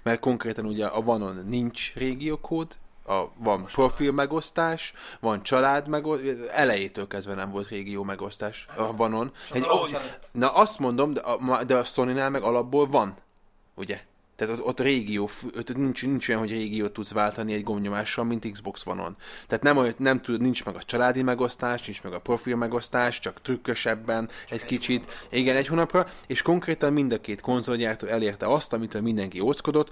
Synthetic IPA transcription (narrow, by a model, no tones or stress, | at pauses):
mɛrt̪̚ko̞ŋkreːt̪ɒnuɟɛʔɒvɒno̞nːiɲt͡ʃreːɡijoːkʰoːd̪ɒvɒnpro̞filmɛɡo̞st̪aːʃvɒnt͡ʃɒlaːd̪mɛɡoɛlɛjeːt̪øːlkɛzd̪vɛnɛɱvo̞lt̪reːɡijoːmɛɡo̞st̪aːʃɒvɒno̞nɛɟ | nɒʔɒst̪mo̞nd̪o̞md̪ɛʔɒd̪ɛɒso̞ninaːlmɛɡɒlɒbːoːlvɒn | uɟɛ | t̪ɛːt̪ot̪ot̪ːreːɡijoːføt̪nint͡ʃnint͡ʃo̞jɒnɦo̞ɟreːɡijoːt̪ːud̪zvaːlt̪ɒniɛɟɡo̞mɲo̞maːʃrɒmmint̪iɡzbo̞ksʋɒ̰no̰nt̪ɛːt̪nɛmonɛmt̪unint͡ʃmɛɡɒt͡ʃɒlaːd̪imɛɡo̞st̪aːʃnint͡ʃmɛɡɒpro̞filmɛɡo̞st̪aːʃt͡ʃɒkt̪rykːøʃɛbːɛnɛckit͡ʃit̪iɡɛnɛchoːnɒprɒeːʃko̞ŋkreːt̪ɒmmind̪ɒkeːt̪ko̞nzo̞ljaːrt̪øːɛleːrt̪ɛɒst̪ɒmit̪øːlmind̪ɛŋkiosko̞d̪o̞t̪ː